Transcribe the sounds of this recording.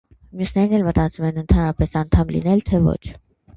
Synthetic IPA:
mjusnɛɾinɛlmət̪ɑt͡sumɛnənt̪ʰɑnɾɑpɛsɑnt̪ʰɑmlḭnɛlt̪ʰɛvɔ̰t͡ʃʰ

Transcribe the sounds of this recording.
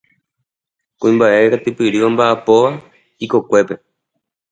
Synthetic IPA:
kũĩmbaʔe̞ɾat̪ɨpɨɾɨʋambaʔapo̞ʋa | iko̞kʷe̞pe̞

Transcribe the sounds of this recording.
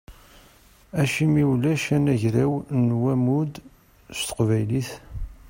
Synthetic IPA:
æʃimiwlæʃænæʝɾæwnwæmud̪ | st̪ə̥qvæjliθ

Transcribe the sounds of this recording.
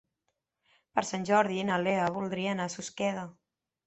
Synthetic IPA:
pəɾsanʲʒɔɾðienaleaβulˠd̪ɾianasuskɛðə

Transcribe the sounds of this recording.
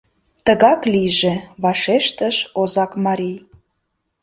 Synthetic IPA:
t̪əɣɑklijʒeβɑʃeʃt̪əʃozɑkmɑɾʲij

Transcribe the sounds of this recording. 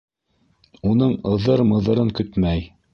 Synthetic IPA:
unɤɴɤ̆ðɤɾmɤ̆ðɤ̆ɾɤŋkɵt̪mæj

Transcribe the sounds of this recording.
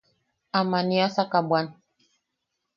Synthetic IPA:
amaniasakabwan

